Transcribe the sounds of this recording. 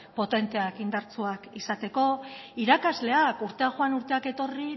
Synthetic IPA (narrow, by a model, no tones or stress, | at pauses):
po̞t̪e̞nt̪e̞akind̪aɾt͡suakisat̪e̞ko̞iɾakazle̞akuɾt̪e̞aʝoanuɾt̪e̞ake̞t̪o̞ri